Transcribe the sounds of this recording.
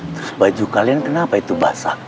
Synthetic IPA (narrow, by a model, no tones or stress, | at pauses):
t̪ɾʊsbad͡ʒukaliankənapait̪uba̰sa̰